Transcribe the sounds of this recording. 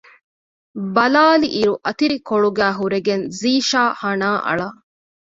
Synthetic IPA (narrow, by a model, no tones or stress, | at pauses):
bɐlaːliʔiɾuʔɐt̪iɾikoɭuɡæːɦuɾeɡenziːʃaːhɐnaːʔɐ̰ɭɐ